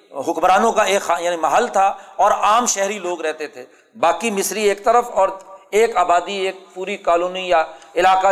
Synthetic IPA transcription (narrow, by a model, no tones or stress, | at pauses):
ɦʊkbɾaːnõkaeːkxajaːnĩmɐɦəlt̪ʰaɔːɾaːmʃɛɦɾiloːɡɾɛɦt̪et̪ʰeː | baːkimɪsɾieːkt̪əɾəfɔːɾeːkaːbaːd̪ieːk̚puːɾikaːluːnijaɪlaːka